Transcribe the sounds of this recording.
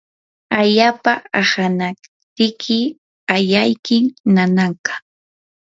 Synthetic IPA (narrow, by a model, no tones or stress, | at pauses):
aʎaːpaahana | t̪ɪkʰɪ | ajajkɪmnanaŋkḁ